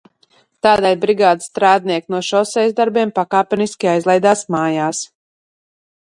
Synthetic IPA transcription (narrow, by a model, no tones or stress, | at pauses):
t̪aːd̪ajbɾiɡaːd̪st̪ɾaːd̪̚niɛknuɔʃɔsɛjzd̪aɾbiɛmpakaːpʲɛniskʲiajzlˠɛjd̪aːsmaːjaːs